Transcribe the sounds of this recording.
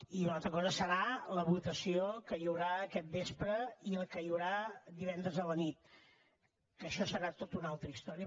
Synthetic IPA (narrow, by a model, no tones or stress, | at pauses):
iunalˠt̪ɾəkɔzəsəɾaləβut̪əsiokəjəwɾaəkɛt̪̚bespɾəiəlˠkəjəwɾad̪iβɛnd̪ɾəzðələnit̪ | kəʃɔsəɾat̪ot̪unalˠt̪ɾəist̪ɔɾiə